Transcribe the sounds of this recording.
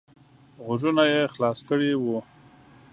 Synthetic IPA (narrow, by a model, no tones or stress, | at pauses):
ɣʊʒunajexlɑskəɽewu